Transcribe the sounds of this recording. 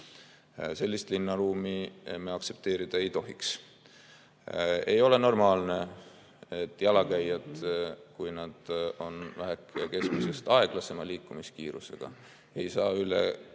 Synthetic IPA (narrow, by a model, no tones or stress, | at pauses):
se̞lʲːist̪linːɑɾuːmiemːeɑkse̞p̚t̪e̞ːɾid̪̥ɑe̞jt̪o̞ɦiks | e̞jo̞le̞no̞rmɑːlne̞ | et̪ːˑjɑlɑkæjːɑd̪̥kujnɑd̪̥o̞nvæɦɛkːˑeke̞skmuse̞st̪ɑe̞ɡ̥lɑse̞mɑliːkːˑumiskiːɾuse̞̰ɡ̥ɑ̰ | e̞jsɑːyle̞̰